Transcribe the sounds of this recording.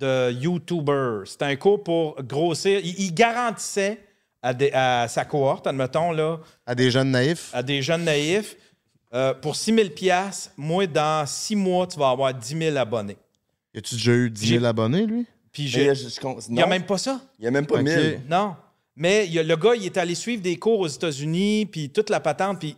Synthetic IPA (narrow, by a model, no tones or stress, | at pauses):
d̪̥əjut̪ubə˞se̥t̪ɛɛ̃kuːʁpuʁɡʁoːsɪːʁiʔiɡaʁɑ̃t̪i̥sɛ | ad̪eʔasakuɔʁt̪amət̪ɔ̃lɔ | ad̪eʒœnːaɪfad̪eʒœnːaɪf | øpʊʁsimɪlpjasmwɛ̃d̪ɑ̃simwʌt̪yvaːvwaːʁd̪imɪlabɔne | jɑt̪yd̪eʒʌyd̪zimɪlabɔnelɥi | piʒkɔ̃njamɛ̃mpʌsʌijamɛ̃mpɔmɪnɔ̃ | mɛjələɡʌilɛt̪ɛalesɥiːvd̪eːkuːʁoːzet̪azynipit̪ʊt̪lapat̪ɑ̃t̪̚pi